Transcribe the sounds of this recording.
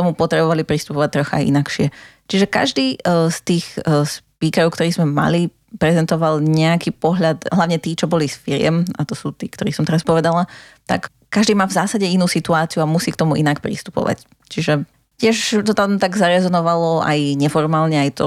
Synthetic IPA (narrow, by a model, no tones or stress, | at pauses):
t̪ɔmupɔt̪ɾɛbɔʋalipɾist̪u̥pɔʋac̚t̪ːɾɔxa̰aḭnakʃɪɛt͡ʃiʒɛka̰ʒd̪iːst̪iːxspiːkɛɾɔʊkt̪ɔɾiːzmɛma̰li | pɾɛzɛnt̪ɔʋalɲɛakipɔɦʎat̪ɦlaʋɲɛt̪iːt͡ʃɔbɔlisfiɾɪɛ̰mat̪ɔsuːt̪iːkt̪ɔɾiːsɔmt̪ɛɾaspɔʋɛd̪alat̪a̰kː | aʒd̪iːmaːvzaːsaɟɛinuːsit̪uaːt͡siuamusiːkt̪ɔmuʔinakpɾḭst̪u̥pɔ̰ʋa̰c | t͡ʃiʒɛ | cɪɛʃt̪ɔt̪amt̪aɡzaɾɛzɔnɔʋalɔa̰jɲɛfɔɾmaːlɲɛajt̪ɔ